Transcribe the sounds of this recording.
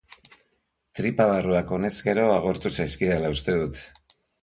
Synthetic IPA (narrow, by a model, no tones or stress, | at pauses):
t̪ɾipaβ̞aruako̞ne̞ske̞ɾo̞aɣo̞ɾt̪usajskialaust̪e̞ðut̪